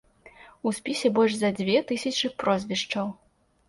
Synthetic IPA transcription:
usʲpʲisʲɛbɔlʲʐzɐd͡zʲvʲɛt̪ɨsʲɐt͡ʂɨpɾɔzʲvʲiʂt͡ʂɐw

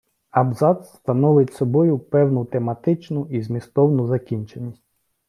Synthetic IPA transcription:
ɐbzɑt̪st̪ɐnɔʋɪtʲsɔbɔjʊpɛwnʊt̪emɐt̪ɪt͡ʃnʊizmʲist̪ɔwnʊzɐkʲinʲt͡ʃenʲːisʲtʲ

